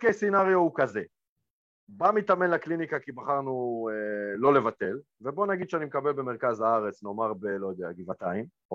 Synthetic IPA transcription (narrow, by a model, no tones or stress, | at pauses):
okejsinaʁjoukaze̞ | bamit̪ame̞nlaklinikakibaχaʁnuelo̞levat̪e̞l | vebo̞naɡid̪ʃeanimekabelbe̞meʁkazhaaʁe̞t͡sno̞maʁbe̞lo̞jod̪eaɡivat̪aim